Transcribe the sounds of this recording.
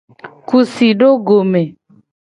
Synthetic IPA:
ku˨si˨ɖo˦ɡo˨me˨

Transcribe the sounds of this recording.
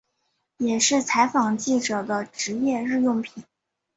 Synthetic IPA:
jɛ˨˩ʂɻ̩˥˩t͡sʰa˧˥ɪfɑ˨˩ŋt͡ɕi˥˩ʈ͡ʂɤ˨˩d̪ə˦ʈ͡ʂɻ̩˧˥jɛ˥˧ɻɻ̩˥˧jʊ˥˩ŋpʰi˨˩˦n

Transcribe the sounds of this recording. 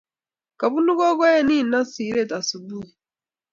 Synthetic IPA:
ka˨βu˦nu˦kɔ˦kɔ˦jɛ˦ni˦˨na˦si˨˦ɾɛ˦˨ta˨su˨bu˦i˨

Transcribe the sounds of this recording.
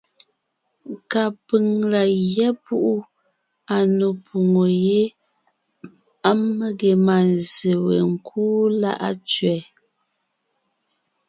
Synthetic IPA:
ka˨pi˨ŋla˨jɛ˦pu˦ʔu˦ | a˨no˨pʰu˨ŋo˨je˦ | a˦mmə˦ɡe˨ma˨n˨ze˨wḛ˨ŋ̩˨kʰuː˦la̰˦ʔa̰˦t͡ʃɥɛ˨˦

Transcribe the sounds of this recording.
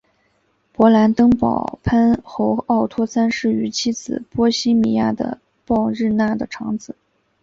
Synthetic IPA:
pwɔ˧˥la˧˥nt̪ɤ˥ŋpɑ̰˨˩ʊpʰa˥nxo˧˥ʊɑ˥˩ʊt̪ʰwɔ˥sa˥nʂɻ̩˥˩y˧˥t͡ɕʰi˥t͡sɹ̩˨˩pwɔ˥ɕi˥mi˧˥ja˥˩d̪ə̰˩ | pɑ˥˧ʊɻɻ̩˥˧na˥˩d̪ə˩ʈ͡ʂʰɑ˧˥ŋd͡zɹ̩˨˩˦

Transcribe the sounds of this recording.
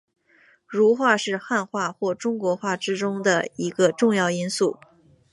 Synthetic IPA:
ɻu˧˥xwa˥˧ʂɻ̩˥˧xa˥˧nxwa˥˧xwɔ˥˩ʈ͡ʂʊ˥ŋkwɔ˧˥xwa˥˩ʈ͡ʂɻ̩˥ʈ͡ʂʊ˥ŋd̪ə˨i˧˥ɡə˧ʈ͡ʂʊ˥˧ŋjɑ˥˩ʊi˥nsu˥˩

